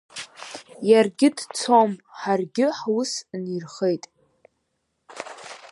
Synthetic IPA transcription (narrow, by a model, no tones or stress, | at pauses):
jarɡʲɪdt͡sʰomħarɡʲɪħwusnirχejtʼ